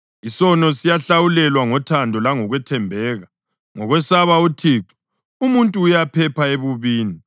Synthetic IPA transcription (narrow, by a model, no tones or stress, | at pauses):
isɔnɔsijaɬawulɛlwaŋɔtʰandʱɔlaŋɔɣwɛtʰɛmbʱɛːɣa | ŋɔɣwɛsaβautʰiːǁu̥ | umuntʼuːjapʰɛpʰaeβuβiːni